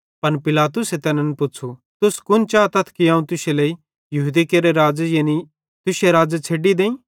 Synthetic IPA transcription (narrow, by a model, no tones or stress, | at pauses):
pɐnpɪlaːt̪ʊset̪ɛːnɛ̃npʊt͡ʃʰu | t̪ʊskʊnt͡ʃaːt̪ɐt̪ʰkiɐ̃ːũt̪ʊselei | jɐɦuːd̪ikeːɾeɾaːd͡zejeːni | t̪ʊseɾaːd͡zet͡sʰeːɖid̪ẽːĩː